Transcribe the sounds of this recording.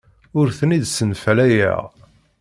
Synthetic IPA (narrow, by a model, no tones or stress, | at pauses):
ʊɾθənid̪sənflæjæ̰ʁ